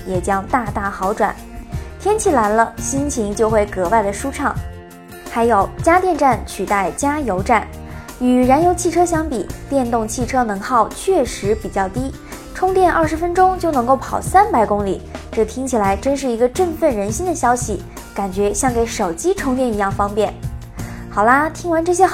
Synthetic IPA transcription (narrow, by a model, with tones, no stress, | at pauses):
jɛ˨˩t͡ɕjɑ˥ŋt̪a˥˧t̪a˥˩xɑ˧˥ʊʈ͡ʂwa̰˨˩˦n | t̪ʰjɛ˥nt͡ɕʰi˥˩la˧˥nlə˧ɕi˥nt͡ɕʰi˧˥ŋt͡ɕjo˥˧ʊxwe˥˩ɪkɤ˧˥wa˥˩ɪd̪ə˩ʂu˥ʈ͡ʂʰɑ˥˩ŋ | xa˧˥ɪjo˨˩ʊt͡ɕja˥t̪jɛ˥˧nʈ͡ʂa˥˩nt͡ɕʰy˨˩t̪a˥˩ɪt͡ɕja˥jo˧˥ʊʈ͡ʂa˥˩n | y˨˩ɻa˧˥njo˧˥ʊt͡ɕʰi˥˩ʈ͡ʂʰɤ˥ɕjɑ˥ŋpi˨˩t̪jɛ˥˧nt̪ʊ˥˧ŋt͡ɕʰi˥˩ʈ͡ʂʰɤ˥nɤ˧˥ŋxɑ˥˧ʊt͡ɕʰɥɛ˥˩ʂɻ̩˧˥pi˨˩t͡ɕjɑ˥˩ʊt̪i˥ | ʈ͡ʂʰʊ˥ŋt̪jɛ˥˧nʔəɐ˞˥˩ʂɻ̩˧˥fə˥nʈ͡ʂʊ˥ŋt͡ɕjo˥˩ʊnɤ˧˥ŋko˥˩ʊpʰɑ˨˩ʊsa˥npa˧˥ɪkʊ˥ŋli˨˩ʈ͡ʂɤ˥˩t̪ʰi˥ŋt͡ɕʰi˨˩la˧˥ɪʈ͡ʂə˥nʂ̬ɻ̩˥˩i˧˥ɡə˧ʈ͡ʂə˥˧nfə˥˩nɻə˧˥nɕi˥nd̪ə˨ɕjɑ˥ʊɕi˨˩ | ka˨˩nt͡ɕɥɛ˧˥ɕjɑ˥˩ŋke˧˥ɪʂo˨˩ʊt͡ɕi˥ʈ͡ʂʰʊ˥ŋt̪jɛ˥˩ni˧˥jɑ˥˩ŋfɑ˥ŋpjɛ˥˩n | xɑ˨˩ʊlə˦t̪ʰi˥ŋwa˧˥nʈ͡ʂɤ˥˩ɕ̬jɛ˥